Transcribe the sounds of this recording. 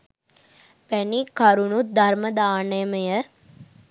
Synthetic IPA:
pænikɐɾunud̪ʱaɾməd̪aːnəjəməjə

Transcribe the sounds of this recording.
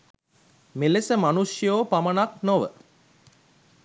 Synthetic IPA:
melesəmanuʂjoːpamənaknoʋə̰

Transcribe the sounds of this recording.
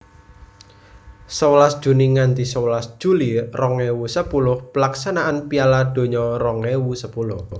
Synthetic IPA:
səwəlasd̥ʒ̥ṳniŋant̪isəwəlasd̥ʒ̥ṳlirɔŋɛwusəpulʊhpəlaksanaʔanpialad̪̥o̤ɲɔrɔŋɛwusəpulʊh

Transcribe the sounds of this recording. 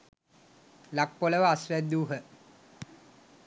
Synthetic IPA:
lak̚poləʋəasʋæd̪uːɦə

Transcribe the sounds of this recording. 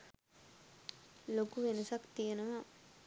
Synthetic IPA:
lokuʋenəsakt̪ijenəʋa

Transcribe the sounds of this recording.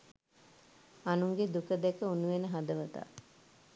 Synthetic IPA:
anuŋɡed̪ukəd̪ɛkəunuʋenəɦad̪əʋət̪a̰

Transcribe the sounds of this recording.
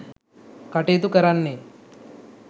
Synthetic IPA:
kɐʈeːt̪ukɐɾanːe

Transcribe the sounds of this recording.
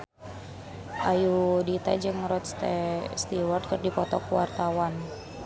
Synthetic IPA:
ʔajudit̪a̰d͡ʒɨŋɾɔt̪̚st̪ɛst̪iwɔrd̪̚kərdipɔt̪ɔkuwart̪awan

